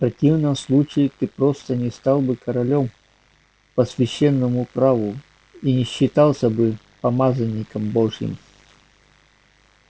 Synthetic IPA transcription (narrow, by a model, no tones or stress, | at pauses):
fpɾɐtʲivnəmslˠut͡ɕɪɪt̪ɨpɾost̪ənʲɪst̪alˠbɨkɐɾɐlʲom | pəsvʲɪɕːenːəmʊpɾavʊ | inʲɪɕːɪt̪alˠsʲəbɨ | pɐmazənʲːɪkəmboʐjɪ̰m